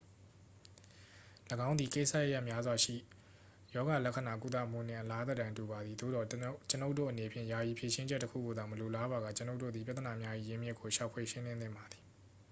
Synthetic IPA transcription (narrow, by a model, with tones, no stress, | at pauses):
ləɡã˦ʊ̃nd̪i˨ke˦ɪsa˦˨jə˦˨ja˦ʔmja˦zwa˨ʃḭ˦˨ | jɔ˦ɣa˨lɛ˦kʰːə˨na˨k̬u˦t̪̬ä̰˦˨m̥ṵ˦˨nɪ̰̃˨ʔəla˦d̪ə˨dã˨ntu˨βa˨d̪ði˨d̪o̰˦˨d̪ɔ˨t͡ɕə˦no˦ʊʔtːo̰˦˨ʔəne˨pʰjɪ̰̃˦˨ja˨ji˨pʰje˨ʃɪ̃˦d͡ʑɛ˦tːəkʰṵ˦˨ɡo˨d̪a˨məlo˨la˦ba˨ɣa̰˦˨t͡ɕəno˦ʊtːo̰˦˨d̪i˨p̬ja˦t̪ːəna˨mja˦ʔḭ˦˨jɪ̃˦mjɪ˦kʰːo˨ʃa˨ʊpʰwe˨ʃɪ̃˦lɪ̃˦nt̪ɪ̃˦˨mba˨d̪i̥˨